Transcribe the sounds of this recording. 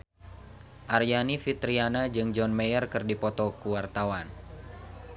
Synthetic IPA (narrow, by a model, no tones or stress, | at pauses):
ʔarjanifit̪ɾianad͡ʒɨŋd͡ʒɔnmejərkɨrdipɔt̪ɔkuwart̪awan